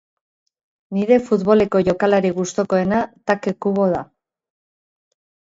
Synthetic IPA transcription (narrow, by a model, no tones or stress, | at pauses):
niɾe̞fut̪βo̞le̞ko̞ʝo̞kalaɾiɣust̪o̞ko̞e̞nat̪akekuβo̞ð̞a